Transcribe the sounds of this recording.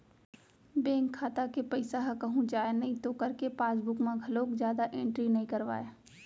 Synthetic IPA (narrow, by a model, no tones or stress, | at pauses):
bẽːŋkʰːaːt̪akepɐɪsaɦkɐɦũd͡ʒaːenɐɦĩt̪okɐɾkepaːsbʊkmãɡʱɐloːkzjaːd̪aʔẽːɳʈɾinɐɦĩkɐɾʋa̰ːe